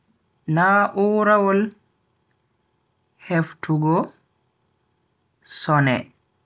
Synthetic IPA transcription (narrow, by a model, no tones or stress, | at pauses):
naʔuːɾawɔl | hɛftʰuɡɔ | sɔnɛ